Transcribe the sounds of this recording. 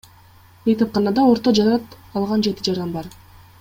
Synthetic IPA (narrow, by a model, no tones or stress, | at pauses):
ejt̪ʰɑp̚qɑnɑd̪ɑo̞ɾt̪od͡ʒɑɾɑt̪ɑlˠʁɑnd͡ʒe̞t̪id͡ʒɑɾɑnbɑɾ